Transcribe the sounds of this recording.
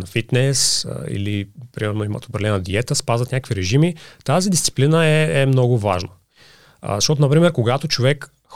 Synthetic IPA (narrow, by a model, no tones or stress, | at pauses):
nɐfit̪nɛsḭlipɾimɛɾnoimə̰t̪o̥pɾɐlɛnəd̪iɛt̪əspazvət̪nʲakəkviɾɛʒimit̪azid̪ist̪si̥plinəɛɛmnɔɡʊva̰ʒnə̰ | zɐʃtɔt̪onɐpɾimɛɾkoɡat̪ot͡ʃovɛk | x